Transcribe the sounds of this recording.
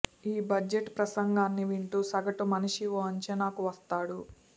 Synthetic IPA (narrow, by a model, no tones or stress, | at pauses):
iːbɐd͡ʒeʈpɾɐsɐŋɡaːnːiʋiɳʈuːsɐɡɐʈumɐniʂiʋoɐɲt͡ʃɐnaːkuʋɐst̪aːɽu